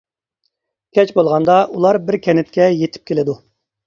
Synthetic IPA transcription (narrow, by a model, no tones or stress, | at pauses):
kʲʰɛt͡ʃbolˠʁɑnd̪ɑʔulˠɑɾbɪɾkʲʰɛnɪt̪̚kʲɛjet̪ʰɪ̥p̚kʲʰelɪd̪u